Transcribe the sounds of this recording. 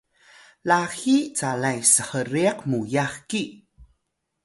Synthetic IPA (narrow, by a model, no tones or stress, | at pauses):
laxit͡salajsəhəɾiaqmujaxki